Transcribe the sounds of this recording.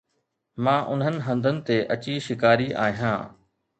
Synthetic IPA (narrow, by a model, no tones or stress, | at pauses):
mãːʔʊnɦənɪ̆ɦɐ̃nd̪ʱənɪ̆t̪eʔɐt͡ɕiʃɪkaːɾiʔa̰ːɦijã̰ː